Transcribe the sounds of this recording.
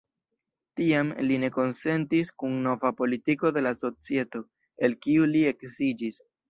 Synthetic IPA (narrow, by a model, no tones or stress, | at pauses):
tiamline̞ko̞nse̞ntiskunːo̞vapo̞litiko̞de̞laso̞t͡sie̞to̞ | e̞lkiulie̞ksid͡ʒis